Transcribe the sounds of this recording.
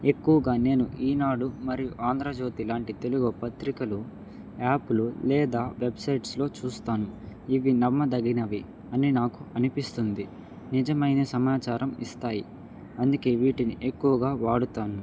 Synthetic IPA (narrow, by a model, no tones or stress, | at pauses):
e̞kːuʋɐɡaːne̞ːnuʔiːnaːɽumɐɾijuʔaːnd̪ɾad͡ʒo̞ːt̪ilaːɳʈit̪e̞luɡopɐt̪ɾikɐlu | aːpululɛːd̪aːʋe̞bsɐjʈslo̞ːt͡ʃuːst̪aːnuiʋinɐmːɐd̪ɐɡinɐʋi | ɐninaːkuɐnipist̪und̪i | nid͡ʒɐmɐjneːsɐmaːt͡ʃaːɾʔɐmḭst̪aːji | ɐnd̪uke̞ːʋiːʈiniʔe̞kːuʋɐɡaːʋaːɽut̪aːnu